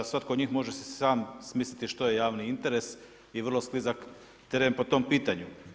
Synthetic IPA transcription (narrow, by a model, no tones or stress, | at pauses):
sʋat̪kod̪ɲixmo̞ʒesesaːmsmiːslit̪iʃt̪oje̞jaːʋniint̪e̞ɾe̞s | iʋr̩losklizak | t̪eɾenpo̞t̪o̞mpiːt̪aɲu